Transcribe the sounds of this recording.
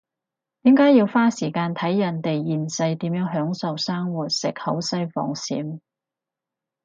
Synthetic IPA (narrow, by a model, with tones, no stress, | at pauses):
t̪iː˨˥mkaː˨˥jiː˧wfaː˥siː˨˩kaː˧nt̪ʰɐ˨˥jjɐ˨˩nt̪e˨jjiː˨˩nsɐ˧jt̪iː˨˥mjœː˨˥ŋɦœː˨˥ŋsɐ˨wsaː˥ŋwuː˨˩t̚sɪ˨k̚hɐ˨˥wsɐ˥jfɔ̰ː˧ŋsḭː˨˥m